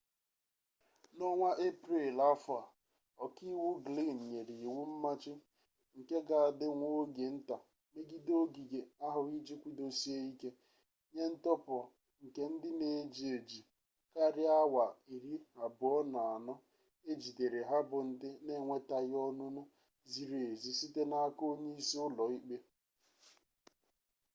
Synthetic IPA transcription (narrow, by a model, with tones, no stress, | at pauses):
nɔ˦ŋʷa˦ʔe˦pɾe˨la˦fʊ˨a˨ | ɔ˨ki˦wʊ˦ɡli˦˨n̩˨ɲe˨ɾi˨wu˦m̩˦ma˦t͡ʃɪ˦ | ŋ̩˨ke˦ɡa˨a˨dɪ˦ŋʷo˦ɡe˨n̩˦ta˨ | me˦ɡi˦do˦ɡi˨ɡe˨a˦ɦʊ˨ɣi˦d͡ʒi˦kʷi˦do˨si˦e˦i˦ke˦ | ɲe˦n̩˦tɔ˦pʊ˨ɔ˨ | ŋ̩˨ke˦n̩˦dɪ˦ne˨d͡ʒi˨e˨d͡ʒi˨ | ka˦ɾɪ˦a˦wa˨i˨ɾi˦a˨bʊ˨ɔ˦na˨a˨nɔ˦ | e˦d͡ʒi˨de˨ɾe˨ɦa˦bʊ˨n̩˦dɪ˦ne˦˨ŋʷe˦ta˨ɣɔ˦nʊ˦nʊ˦ | zi˨ɾe˨zi˦si˦te˦na˦a˦ko˦ɲe˦i˦si˦ʊ˦lɔ˨i˦k͡pe˦